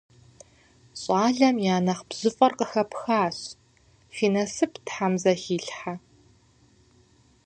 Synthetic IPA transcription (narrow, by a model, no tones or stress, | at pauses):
ɕʼɑːɮɐmjaːnɐχbz̥ɨfʼɐrqəxɐpxaːɕ | fiːnɐsɨpʰtħamzɐxiːɬħa